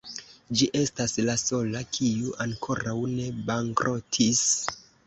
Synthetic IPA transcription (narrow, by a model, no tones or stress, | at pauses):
d͡ʒiʔe̞staslaso̞lakʰiuʔaŋkʰo̞ɾawne̞baŋkɾʔo̞tʰis